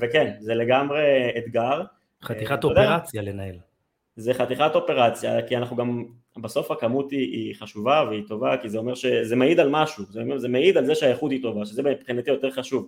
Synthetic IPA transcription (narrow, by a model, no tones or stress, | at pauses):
vekenzele̞ɡamʁe̞ːt̪ɡaʁ | χaiχatoodeʁat͡sjalenael | zeχat̪iχato̞pe̞ʁat͡sjakianaχuɡam | baso̞fhakamut̪iʔiχaʃuvaveit̪o̞vakizeo̞meʁʃe̞zemeid̪almaʃuzeomezemeid̪alzeʃeajeχut̪it̪o̞vaʃezebemipχinat̪ijo̞t̪e̞ʁχaʃuv